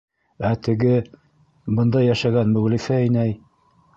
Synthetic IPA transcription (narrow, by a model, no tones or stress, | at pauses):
æt̪ɘ̆ɡɘ | bɤ̆nd̪ɑjːæʃæɣænmɵʁlifæɘ̆næj